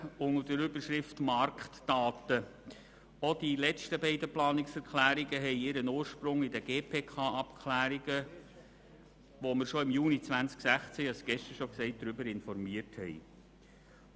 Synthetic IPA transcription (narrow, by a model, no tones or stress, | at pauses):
ʊŋədəɾʏbəʃɾɪftmɑɾkχtdɑːt̪ə | od̥ilɛt͡stəbɛɪdəplɑːnɪksɛɾkʰlæːɾiɡəɦɛɪɪɾənoːɾʃpɾʊŋɪdəɡ̥eːpʰeːkʰɑːɑpkʰlæːɾiɡə | ʋɔmɪɾʃɔɪmjuːnit͡sʋænt͡sksæχt͡sɛɑsɡ̥ɛʃtəɾʃɔksɛɪt̚d̥̪ɾʏbəɾɪnfɔɾmiəɾthɛ̰ɪ